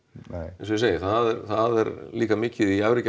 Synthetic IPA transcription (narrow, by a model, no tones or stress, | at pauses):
eɛnsɔseːjɪθaðɛɾθaðɛɾliːkamɪːcɪðiafɾɪc